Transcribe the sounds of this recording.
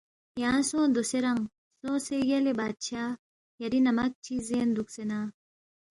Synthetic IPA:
jãːsõːd̪oseɾɐŋ | sõːsejɐlebaːt̪̚t͡ʃʰaː | jɐɾinɐmɐk̚t͡ʃʰizeːnd̪uksenaː

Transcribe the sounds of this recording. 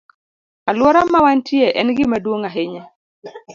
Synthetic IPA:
alwɔɾamːawantʰjeʔɛnɡɪmadwoŋaɦɪɲɛ

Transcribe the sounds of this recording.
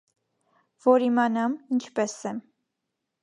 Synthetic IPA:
vɔɾimɑnɑmint͡ʃʰpɛsɛm

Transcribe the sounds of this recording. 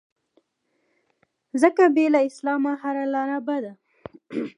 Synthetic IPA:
zəkabelaɪslɑmaɦaɾalɑɾabad̪a

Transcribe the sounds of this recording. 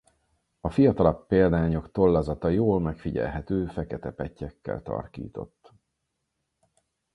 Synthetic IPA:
ɒfijɒt̪ɒlɒkpeːld̪aːɲo̞kt̪o̞lːɒzɒt̪ɒjoːlmɛkfiɟɛ̰lɦɛt̪øːfɛkɛt̪ɛpɛcːɛkːɛ̰lt̪ɒ̰rk̪ḭːt̪o̞̰t̪ː

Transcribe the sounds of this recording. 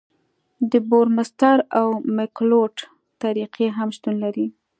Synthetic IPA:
d̪əboɾmast̪aɾawmɪkloʈ | t̪aɾiqʰeɦamʃt̪unlaɾi

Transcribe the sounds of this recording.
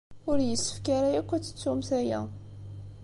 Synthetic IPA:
ʊɾjəsːə̥fkaɾajækʷːæt͡sːə̥t͡sːumθæjæ̰

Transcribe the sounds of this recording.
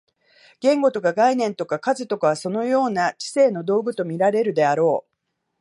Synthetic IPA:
ɡ̥ẽ̞ŋɡo̞t̪o̞kaɡainẽ̞nt̪o̞kakazɨt̪o̞kaβ̞aso̞no̞jo̞ːnat͡ɕi̥se̞ːno̞d̪o̞ːɡɯ̟t̪o̞mʲiɾaɾe̞ɾɯ̟d̪e̞aɾo̞ː

